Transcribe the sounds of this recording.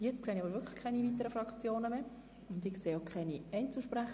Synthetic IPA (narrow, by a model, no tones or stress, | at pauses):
jɛt͡stkseːnɪɑbəɾʋʏɾkʰlə̥kʰɛɪniviːt̪̬əɾəfɾɑkt͡sjoːnəme | ʊndɪkseːokʰχɛɪniɛɪnt͡suʃpɾæχ